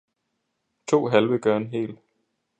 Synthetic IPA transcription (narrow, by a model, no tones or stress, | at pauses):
t͡sʰo̝̰ːɦælʋəɡ̥ɶɐe̝nɦe̝̰ːl